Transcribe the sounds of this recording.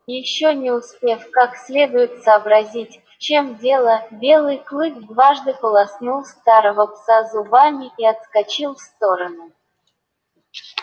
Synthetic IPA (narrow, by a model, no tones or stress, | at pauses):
jɪɕːonʲɪʊspʲefkaksʲlʲe̞d̪ʊjɪt̪səːbɾɐzʲitʲft͡ɕemdʲe̞lˠəbʲe̞lˠɨjklˠɨkʲd̪vaʐd̪ɨpəlˠɐsnulˠst̪aɾəvəpsazʊbamʲɪiɐt̪skat͡ɕilˠfst̪o̞ɾənʊ